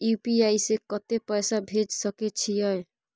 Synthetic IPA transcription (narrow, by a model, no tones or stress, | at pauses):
jupiaisekɔt̪epəjsabʱed͡ʒsəket͡ʃʰijəj